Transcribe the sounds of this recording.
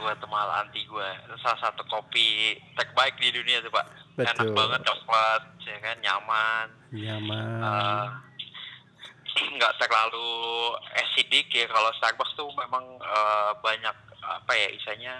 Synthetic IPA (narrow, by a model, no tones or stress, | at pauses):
ɡuat̪umaɦala̰nt̪iɡuait̪usalahsat̪ukopit̪ɛk̚baɪk̚diduniat̪upa̰ʔbenak̚baŋət̪̚dakwat̪̚jakanɲaman | ɲamə | ŋɡaʔt̪əklalu | ɛsidɪkjakalost̪ar̚bak̚t̪umemaŋəbaɲak̚a̰pajaʔḭsaɲa